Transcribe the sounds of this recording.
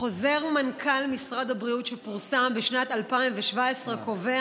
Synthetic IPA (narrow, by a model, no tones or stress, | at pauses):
χo̞ze̞ʁmankʰalmisʁad̪habʁiutʃepuʁsambeʃnatalpaimveʃvaesʁeko̞ve